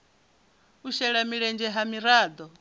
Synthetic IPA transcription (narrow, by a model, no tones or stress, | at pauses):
uʃɛɺamiɺɛnd͡ʒɛɦamiɾaːd̪ɔ